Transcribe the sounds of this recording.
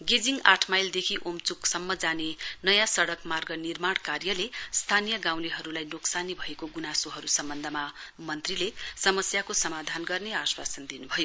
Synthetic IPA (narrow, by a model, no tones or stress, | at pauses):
ɡed͡ziŋaʈʰmajld̪ekʰiʔomt͡suksʌmːʌd͡zanenʌjãsʌɽʌkmarɡʌnirmaɽ̃karjʌlest̪ʰanijʌɡaw̃liɦʌɾulajnoksanibʱʌekoɡunasoɦʌɾusʌmbʌnd̪ʱʌmamʌnt̪rilesʌmʌsjakosʌmad̪ʱanɡʌrneaswa̰sʌnd̪inubʱʌjo